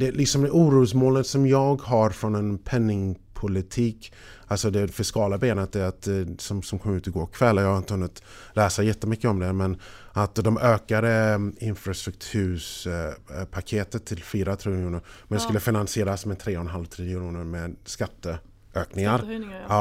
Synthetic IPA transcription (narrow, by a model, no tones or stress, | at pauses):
d̪ɛlɪksɔmd̪ɛʔuːɾuːsmoːlət̪sɔmjɑːɡɦaɾfɾɔnɛnpʰɛnːɪŋpʰʊlɪt̪ʰiːk | alsɔd̪ɛfɪskɑːlabeːnət̪̚d̪ɛat̪sɔmsɔmkʰɔmːəʉːt̪ɔɡoːkʰvɛlːajɑːhaɾɪnt̪əhɵnːɪt̪ | læːsajɛt̪ːəmʏkːəɔmd̪ɛmɛnʔat̪d̪ɔmʔøːkad̪əɪnfɾast̪ɾɵk̚t̪ʰʉ̟ʂ | pʰakʰeːt̪ət̪ʰːɪlfyːɾat̪ʰɾeːnjuːnəɾmɛskɵlːəfɪnansɪeːɾasmɛnt̪ʰɾeːɔnɦalvt̪ʰɾiːd̪əɾuːnəɾmɛd̪skat̪ːə | ʔøːknɪŋaɾ